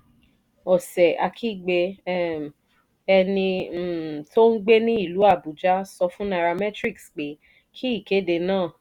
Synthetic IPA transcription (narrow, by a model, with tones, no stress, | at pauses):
ɔ˨sɛ˨ʔa˧kʰi˦˨ɡ͡be˧˦ | ɛ˧nĩ˧˨ | to˦n̩˦ɡ͡be˦nĩ˦i˦˨lu˨˦a˦˨bu˨d͡ʒa˦sɔ˧fũ˦na˧ɾa˧mɛ˦tɾi˦˨ksk͡pe˨˦ | kʰi˦i˦˨ke˨˦de˧nãː˦˨